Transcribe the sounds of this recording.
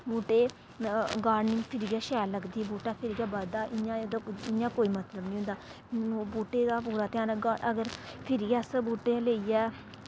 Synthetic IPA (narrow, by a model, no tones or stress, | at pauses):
buːʈeː | ɡaːɾnɪ̃ŋpʰɪɾiɡaːʃɛːllːəɡd̪iːbuːʈaːpʰɪɾɪɡaːbad̪aːʔɪãːd̪ɪjãːkoːiːmət̪ləbnĩːɦʊ̃nd̪aː | buːʈeːd̪aːpuːɾaːt̪ɪãːnəɡaə̰ɡəɾpʰɪɾɪjaːsbuːʈeːleːiɛː